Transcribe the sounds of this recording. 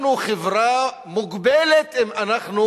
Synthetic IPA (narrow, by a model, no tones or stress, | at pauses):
nuχevʁa | muɡbelet̪imanaχnu